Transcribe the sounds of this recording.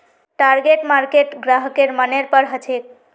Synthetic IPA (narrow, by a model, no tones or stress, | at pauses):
ʈaɾɡeʈmaɾkeʈɡɾaɦkeɾməneɾpəɾɦət͡ʃʰek̪̚